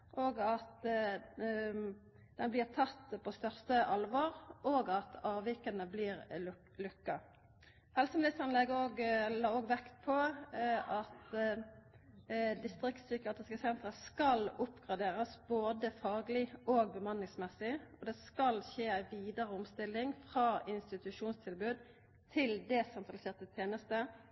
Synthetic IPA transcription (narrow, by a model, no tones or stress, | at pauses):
ʔoːɡɑt̪ | d̪̥ɛnblɪːʁt̪ʰɑt̪ːpʰɔst̪œʁst̪əʔɑlʋɑʁʔoːɡɑt̪ɑːʋɪkənəbliːʁ | lʉkːɑ | hɛlsəmlɪst̪əʁnlɛɡəoːɡlɑːoːɡʋɛkt̪̚pʰɔ | ɑt̪ | d̪ɪst̪ʁɪkt̪sʏkəeːt̪ʁɪskəsɛnt̪ʁəskɑlʊpɡ̥ʁɑd̪eːɾəsboːd̪əfɑːɡlɪoːɡ̚bəmɑnːɪŋsmɛsɪɔd̪ɛskɑlçeːæɪʋiːd̪əʁəʊmst̪ɪlːɪŋfʁɑːɪnst̪ɪt̪ʉʂuːnst̪ʰɪlbʉːd̪ | t̪ʰɪld̪ɛsɛnt̪ʁɑlɪseːʁt̪ət̪ʰjeːnəst̪ə